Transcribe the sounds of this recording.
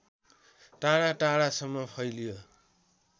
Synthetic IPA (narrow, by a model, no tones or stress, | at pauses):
ʈaɽaʈaɽasʌmːʌpʰʌjlijo